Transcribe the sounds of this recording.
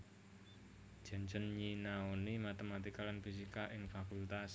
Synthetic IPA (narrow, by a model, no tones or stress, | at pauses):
d͡ʒ̥a̤nd͡ʒənɲinaonimat̪emat̪ikalanfis̬ikaʔɪŋfakult̪as